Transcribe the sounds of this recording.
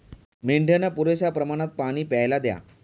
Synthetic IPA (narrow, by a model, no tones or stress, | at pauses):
miɳɖʱjenapuɾeɕapɾəmaɽ̃at̪̚paɽ̃iːpajlad̪ja̰